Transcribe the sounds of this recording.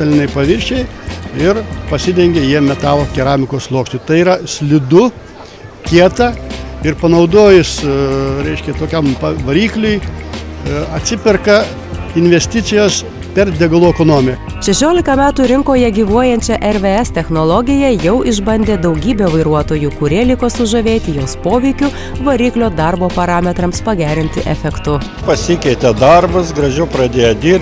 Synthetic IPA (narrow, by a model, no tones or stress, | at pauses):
t̪ɐlʲɪnʲɐɪpɐʋʲɪɾʲʃʲe | ɪrpɐsʲɪd̪ʲɛŋʲɡʲejiɛmʲɛt̪ɑːlˠoːkʲɛɾɑːmʲɪkoːslˠoːkʃʲt͡ʃʲʊt̪ɐɪiːɾɐsʲlʲɪd̪ʊ | kʲiɛt̪ɑɪɾpɐnɐʊd̪oːjʊsɾʲɛɪʃʲkʲɛt̪oːkʲɛmpɐʋɐɾʲiːklʲʊɪ | ɐt̪ʲsʲɪpʲɪrkɐ | ɪnʲʋʲɛsʲt̪ʲɪt͡s̪ʲɪjoːs | pʲɛɾd̪ʲɛɡɐlˠuːɛkonoːmʲɪk | ʃʲɛʃʲoːlʲɪkɐmʲæːt̪uɾʲɪŋkoːjɛɡʲiːʋuɔjɛnʲt͡ʃʲɛʔɛɾʋʲeːɛst̪ʲɛxnolˠɔɡʲɪjɛjɛʊʔɪʒbɐnʲd̪ʲeːd̪ɐʊɡʲiːbʲeːʋɐɪɾuɔt̪oːjukʊɾʲiɛlʲɪkoːsʊʒɐʋʲeːt̪ʲɪjoːspoːʋʲɛɪkʲʊ | ʋɐɾʲiːklʲoːd̪ɑɾboːpɐɾɑːmʲɛt̪ɾɐmspɐɡʲæːɾʲɪnʲt̪ʲɪʔɛfʲɛkt̪ʊ | pɐsʲɪkʲɛɪt̪ʲɛd̪ɐɾbɐsɡɾɐʒʲɛʊpɾɐd̪ʲeːjɛd̪ʲiːɾʲ